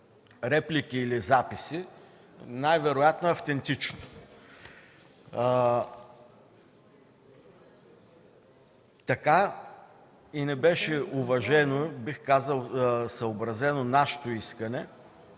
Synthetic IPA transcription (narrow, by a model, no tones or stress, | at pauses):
ɾɛplikiːlizapisi | najvɛɾojat̪noɛɐft̪ɛnt̪it͡ʃno | t̪ɐka | inɛbɛʃɛuvɐʒɛnobixkazəlˠsɐobɾɐzɛnonaʃe̥t̪oiskɐnɛ